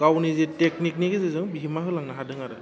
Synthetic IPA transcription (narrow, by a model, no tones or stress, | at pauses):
kawniziteknik̚nikɯzɯzɯŋbiɦimaɦɯlaŋnaɦadɯŋaɾɯ